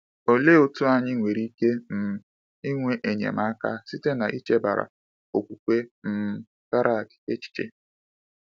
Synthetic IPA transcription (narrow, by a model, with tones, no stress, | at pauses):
o˨le˦o˦tu˦a˦ɲɪ˦ŋʷe˨ɾi˦ke˦n̩˨ | i˦ŋʷe˦ʔe˨ɲḛ˨ma˦ka̰˦si˦te˦na˨ʔi˦t͡ʃe˦ba˨ɾa̰˨ | o˨kʷu˨kʷe˦m̩˦ | ɡa˦ɾa˦˨kɪ̥˨ke˦t͡ʃi̥˦t͡ʃḛ˨